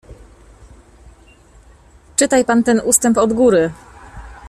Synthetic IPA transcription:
t͡ʂɘt̪ajpant̪ɛnʔust̪ɛmpɔd̪ɡuɾɘ

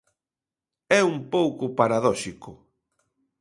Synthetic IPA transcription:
ɛumpowkʊpaɾaðɔʃikʊ

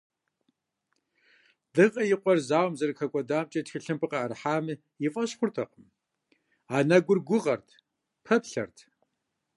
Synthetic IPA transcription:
d̥ɨʁʼɐjɪqʷʼɔrzaːwmzɐrɨxʰɐkʷʼɔdaːmt͡ʃʼɐtxɨɬɨmpʰɨqɐːrħaːmɨ | jɪfʼɐɕxʷʊrtʰɐqəm | aːnɐɡʷʊrɡʷʊʁɐrtʰ | pʰɐpɬɐ̰rtʰ

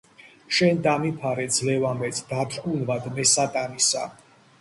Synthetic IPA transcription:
ʃɛnd̪amipʰaɾɛd̪zlɛvamɛt̪sʰd̪at̪ʰʼunvad̪mɛsat̪ʼanisa

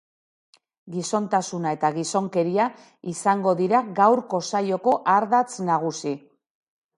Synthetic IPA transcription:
ɡiso̞nt̪asunae̞t̪aɣiso̞ŋke̞ɾia | isaŋɡo̞ðiɾaɡawɾko̞sajo̞ko̞ʔaɾðat͡snaɣ̞usi

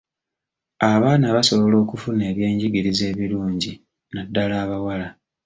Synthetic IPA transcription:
aβaːnaβaso̞βo̞lo̞ːkufune̞ːβje̞ːɲɟiɡiɾize̞ːβiluːɲɟi | nadːalaːβawala

